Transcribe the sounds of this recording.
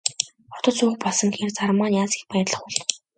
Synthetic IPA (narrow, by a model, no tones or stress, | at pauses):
ɔt̪ɞ̆t͡suːxpɔɮsə̆ŋxert͡sarmaːnjaːsi̥xpæːt̪ɮə̆χʊɮ